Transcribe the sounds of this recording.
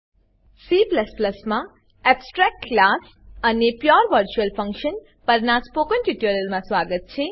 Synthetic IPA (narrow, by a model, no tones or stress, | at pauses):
sipləspləsmã | epsʈɾɛk̚ʈklas | ɐnepjaɾʋəɾt͡ʃuəlpʰʌ̃ŋkʃən | pəɾnaspokənʈiʈjoɾəlmãswaɡət̪̚t͡ʃʰe